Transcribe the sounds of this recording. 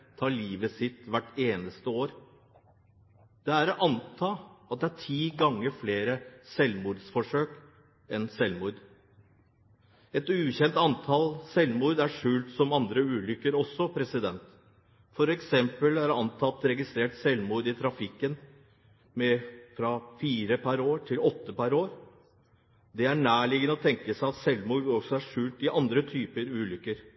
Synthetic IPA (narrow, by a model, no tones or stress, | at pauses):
t̪ʰɑːɭiːʋəsɪt̪ʋæʈːeːnəst̪əoːɾ | d̪̥ɛæɾʔɑnt̪ʰɑːɑt̪̚d̪ɛæʈʰiːɡɑŋːəɾfleːɾəsɛlmuːɾd̪sfɔʂøːk | ɛnsɛlmuːɾd̪ | ɛt̪ʉːçɛnt̪ɑnt̪ʰɑlsɛlmuːɾd̪æʂʉːlt̪sɔmɑnd̪ɾəʉːlʏkːəɾɔsːɔpʰɾɛsɪd̪ɛnt̪ | fɔɾɛksɛmpəlæɾɑnt̪ʰɑt̪ɾɛɡɪst̪ɾeːʈsɛlmuːɾd̪ɪt̪ʰɾɑfɪkːən | mɛfɾɑfiːɾəpʰæɾoːʈʰɪlɔt̪ːəpæɾoːɾ | d̪ɛæɳæːɭɪɡənəɔt̪ʰɛŋkəsæɪɑt̪sɛlmuːɾd̪ɔsɔæʂʉːlt̪ɪʔɑnd̪ɾət̪ʰyːpəɾʉːlʏkːəɾ